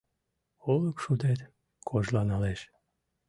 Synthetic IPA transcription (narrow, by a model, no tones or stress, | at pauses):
oləkʃud̪et̪ | kʰoʒlanɑleʃ